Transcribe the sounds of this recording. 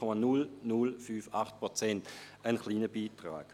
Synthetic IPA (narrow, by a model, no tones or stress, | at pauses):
omənulnulfyːfaχt̚pʁɔt͡sɛntənχliːnəbiːtʁa̰ːɡ̥